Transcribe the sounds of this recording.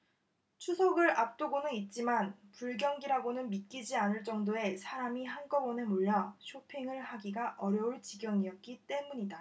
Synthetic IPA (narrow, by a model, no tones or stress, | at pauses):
t͡ɕʰusʰʌɡɯɾap̚t͈oɡonɯnit̚t͡ɕ͈imanpuɭɡjʌŋɡiɾaɡonɯnmit̚k͈id͡ʑianɯɭt͡ɕ͈ʌŋdoe̞sʰaɾamiɦankʌbʌnemuɭːʌɕʰopʰeŋɯɭhaɡiɡaʔʌɾjʌuɭt͡ɕiɡjʌŋiʌt̚k͈it͈e̞muɲida